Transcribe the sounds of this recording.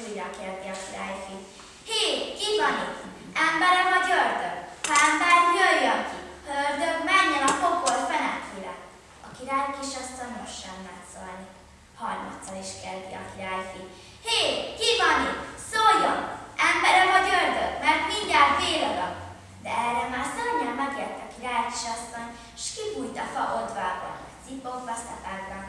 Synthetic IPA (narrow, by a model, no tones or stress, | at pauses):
ujɾɒkɛzd̪iɒkiɾaːjki | heːkivɒnit̪ɛmbɛɾɛvɒɟørd̪øɡɛmbɛrjøjːɒkihørd̪øɡmɛɲːɛnɒfo̞kolfɛnɛt̪iːɾɛ̰ | ɒkiɾaːjkeʃɒst̪ɒnnoʃːɛmːɛt̪so̰lni | hɒrmɒ̰t̪sːɒniʃkɛzd̪iɒ̰kiɾaːjfi | heːkivɒnisojonɛmbɛɾɛvɒɟørd̪øɡmɛrt̪miɲɟaːt̪veːlod̪ɒk | d̪ɛɛrːɛmaːrsɛlɲɛmɛɡjɛrt̪ːiɒkiɾaːjki̥ʃɒst̪ɒn | eʃkiɡujt̪ɒfɒʔod̪vaːbɒ̰n | sipokvɒsɛpɛɡbɛ